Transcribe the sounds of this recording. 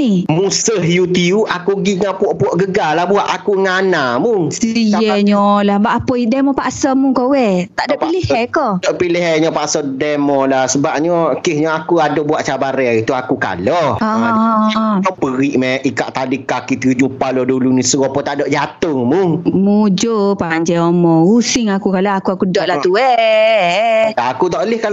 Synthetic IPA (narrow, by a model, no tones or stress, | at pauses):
nimusəɦjut̪iuʔakuɡiŋapuɔʔpuɔʔɡəɡalahbuaʔakuŋanamʊŋsijɛɲɔlahbaʔapəidɛmɔpaʔsɔmʊŋkowɛtt̪aʔdɔʔilihɛkɔdɔʔpiliɦɛɲɔpaʔsɔdɛmɔlahsəbap̚ɲɔkɪhɲɔakuadɔbuaʔt͡ʃabaɾɛit̪uakuka̰lɔa | ɔpəɣiʔmɛʔikaʔt̪alikakit̪iɲupalɔdulunisəɣɔpɔt̪aʔdɔʔd͡ʒat̪ʊŋmʊŋmud͡ʒopaɲd͡ʒɛomɔusɪŋakukalaakuakudɔʔlaht̪uɛ | aːkut̪ɔʔəlɪhkal